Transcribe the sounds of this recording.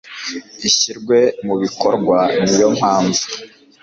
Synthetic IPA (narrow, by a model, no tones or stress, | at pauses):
iɕiɾɡwe̞muβiko̞ɾɡwanijo̞m̥haːɱvu